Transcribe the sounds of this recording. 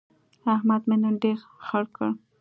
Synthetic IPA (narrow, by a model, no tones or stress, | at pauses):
ahmad̪menaɖeɾxaɽkʰəɽ